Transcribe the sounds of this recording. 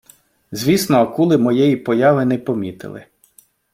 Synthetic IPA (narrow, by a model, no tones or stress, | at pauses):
zʲʋʲisnɔːkulˠɪmɔjɛjipɔjɑʋɪnɛpɔmʲit̪ɪ̰lˠɪ̰